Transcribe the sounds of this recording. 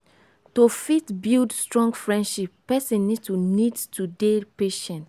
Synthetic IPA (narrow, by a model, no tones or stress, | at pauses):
tofitbildstɹɔ̃ŋɡfɹɛ̃ndʃipːɛsɛ̃nːidtunidtudepeʃɛ̃nt